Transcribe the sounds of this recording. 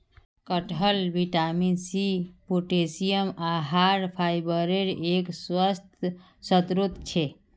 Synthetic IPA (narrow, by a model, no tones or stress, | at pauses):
kəʈʰəlʋiʈaminsipuʈesijəmaɦaɾpʰaːjbəɾeɾeːkswəst̪ʰ | sət̪ɾut̪t͡ʃʰe